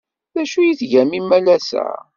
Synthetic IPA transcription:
ðæʃujiθʝæmimælæsæ̰

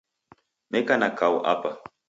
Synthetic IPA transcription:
mɛkanakauʔa̰pa

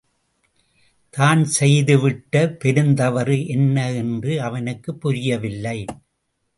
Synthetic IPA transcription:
t̪aːnsɛjðɯʋɪʈːɐpɛɾɯnd̪ɐʋɐɾɯʔɛnːɐɛndrɯɐʋɐnɯkːɯpːʊɾɪjɐʋɪlːɐɪ

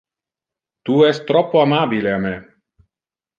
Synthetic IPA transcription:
t̪uɛst̪ːɾɔpːoamabileamɛ

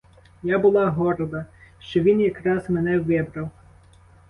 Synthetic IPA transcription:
jɑbʊlˠɑɦɔɾɔd̪ɐʃt͡ʃɔʋʲinjɐkɾɑzmenɛʋɪbɾɐw

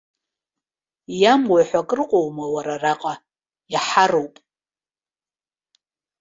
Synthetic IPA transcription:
jamwaħʷakʼrɨqʼowmawaɾaraqʼa | jaħarowpʼ

